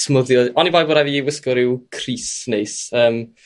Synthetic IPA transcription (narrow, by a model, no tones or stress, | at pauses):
smʊðjɔɔnivajboːɾaviiwɪskɔɾɪwkʰriːsnejsəːm